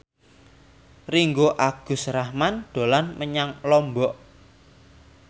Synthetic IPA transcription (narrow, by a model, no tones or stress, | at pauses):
riŋɡoʔaɡ̥ʊ̤srahmanɖ̪̥o̤lanməɲaŋlɔmbɔʔ